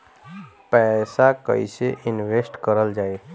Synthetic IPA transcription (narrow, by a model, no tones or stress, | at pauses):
pɛsakə̰ɪseʔɪnʋesʈkəɾəld͡ʒaːe